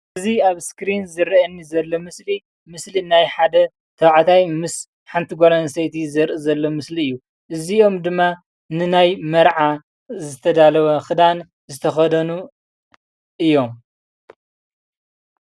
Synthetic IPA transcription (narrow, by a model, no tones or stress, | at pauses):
ɨziaβskɾinzɨɾɐnːizɐlːomɨsli | mɨslinajħad̪ɐ | t̪ʰɐwʕt̪ʰajmɨs | ħant̪ʰiɡʷoɾɐnsɐjt̪ʰizɐɾʔɨzɐlːo̞mɨsliɨjːu | ʔɨzio̞md̪ɨmːa | nɨnajmɐɾʕa | zɨt̪ʰɐd̪alɐwɐxɨd̪an | zɨt̪ʰɐxɐd̪ɐnu | ʔɨjːo̞m